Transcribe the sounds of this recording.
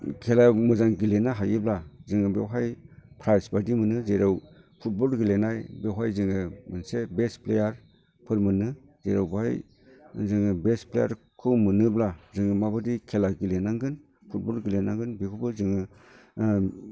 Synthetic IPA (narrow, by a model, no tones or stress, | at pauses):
kʰelamɯzaŋɡilenaɦajɯblazɯŋɯbewɦajpʰɾajsbadimɯnɯzeɾaw | pʰut̚bɔlɡilenajbewɦajzɯŋɯmɯnsebesplejaɾ | pʰɯɾmɯnɯ | zeɾawbaaj | zɯŋɯbespleja̰ɾ | kʰɯwmɯnɯblazɯŋɯmabɯdikʰelaɡilenaŋɡɯn | pʰut̚bɔlɡilenaŋɡɯnbikʰubɯzɯŋɯ